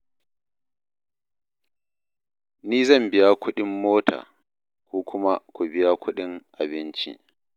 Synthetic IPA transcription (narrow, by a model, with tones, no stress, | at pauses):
niː˦zɐ˦˨mbɪ˦ja˦kʷʊ˦ɗɪ˦mːoː˦tʰa̰ː˨ | kʷuː˦kʷʰʊ˦ma˦kʷu˨bɪ˦ja˦kʷʊ˦ɗɪ˦ŋʔa˨bɪ˦nt͡ʃḭ˦